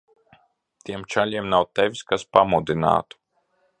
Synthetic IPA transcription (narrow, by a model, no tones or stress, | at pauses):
t̪ʲiɛmt͡ʃalʲiɛmnawt̪ɛvʲiskaspamud̪ina̰ːt̪u̥